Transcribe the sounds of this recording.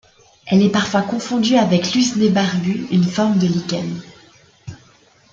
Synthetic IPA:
ɛlɛpaʁfwakɔ̃fɔ̃d̪yavɛklyzd̪ebaʁbyynfɔʁmd̪əlikan

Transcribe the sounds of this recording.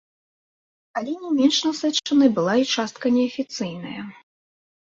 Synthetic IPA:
alʲɛnʲɛmʲɛnʂnɐsɛt͡ʂːɐnɨjbɨlˠait͡ʂast̪̚kɐnʲɛɐfʲit̪sɨjnɐjɐ

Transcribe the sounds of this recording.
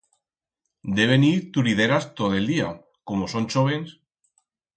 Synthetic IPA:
d̪eβeniɾt̪uɾiðeɾast̪oðeld̪ia | komosõnt͡ʃoβ̞ens

